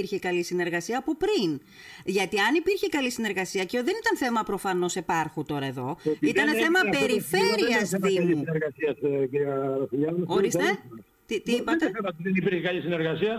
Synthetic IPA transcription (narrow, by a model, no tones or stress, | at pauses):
iɾçekɐlisine̞ɾɣɐsiɐːpo̞pɾin | ʝɐt̪iɐnipiɾçekɐlisine̞ɾɣɐsiɐceoðe̞nit̪ɐnθe̞mɐpɾo̞fɐno̞se̞pɐɾxut̪o̞ɾɐe̞ðo̞̰it̪ɐneθe̞mɐpe̞ɾife̞ɾiɐsðimiuneɾɣɐsiɐsciɾiɐɾɐθiʎɐoɾist̪e | t̪it̪iipɐt̪eɐɾɐt̪iðenipiɾçekɐlisineɾɣɐsiɐ